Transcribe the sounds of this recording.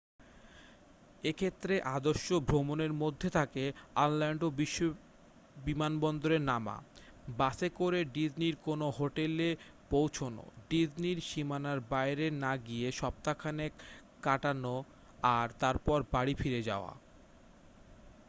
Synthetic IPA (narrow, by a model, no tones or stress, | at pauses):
ekʰet̪ːɾeʔad̪oʃːobʱɾomoneɾmod̪ʱːet̪ʰakeanlɛɳɖobiʃːo | bimanbɔnd̪oɾeɾnama̰ | basekoɾeɖid͡ʑniɾkonoɦoʈele | powt͡ɕʰono̰ɖid͡ʑniɾʃimanaɾbajɾenaɡieʃɔb̚t̪akʰane | kaʈano | aɾt̪aɾpɔɾbaɽifiɾed͡ʑa̰oa̰